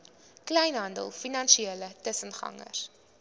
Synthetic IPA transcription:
klɛjnɦɐndə̰lˠfinɐnʃieːlətəsənχɐ̰ŋə̰r

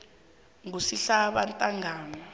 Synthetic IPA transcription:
ŋusiɬaɓantʼaŋaːna

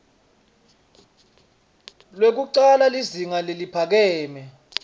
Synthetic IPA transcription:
lwek̬uǃalaliziŋalelipʰak̬ɛːmɛ

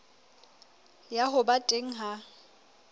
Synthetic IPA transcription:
jaɦʊbatʼeŋ̩ɦa

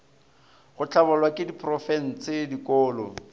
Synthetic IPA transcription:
χʊt͡ɬabɔlwakʼɪdipʰʼrɔfɛn̩t͡sʰɪdikɔːlɔ̰

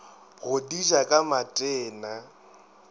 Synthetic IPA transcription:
ɣʊdid͡ʒakʼamatʼɛːna

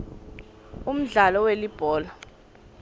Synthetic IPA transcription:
um̩ɮalɔwelib̥ʱɔːla

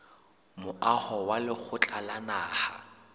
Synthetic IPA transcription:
mʊahɔwalɪk͡xʰʊt͡ɬʼalanaːha̰

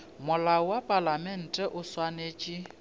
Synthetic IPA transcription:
mʊlawapʼalamɛn̩tʼɛʔʊswaneːt͡ʃʼɪ

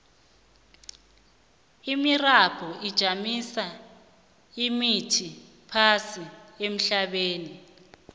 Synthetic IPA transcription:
imirab̥ʰʱɔʔid̥ʒ̥ʱamisa | imitʰi | pʰasiem̩ɬaɓeːni

